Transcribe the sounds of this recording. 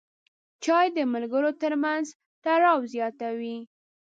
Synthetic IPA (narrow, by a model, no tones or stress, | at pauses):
t͡ʃɑjd̪əmalɡəɾot̪əɾmanz | t̪aɾɑwzjɑt̪awi